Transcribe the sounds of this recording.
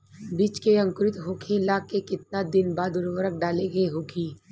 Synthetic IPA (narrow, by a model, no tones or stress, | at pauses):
biːt͡ʃkeɐ̃ŋkɾɪt̪ɦoːkʰelaːkekɪt̪̚nad̪ɪnbaːd̪ʊɾʋəɾək̚ɖaːleɡeɦoːɡiː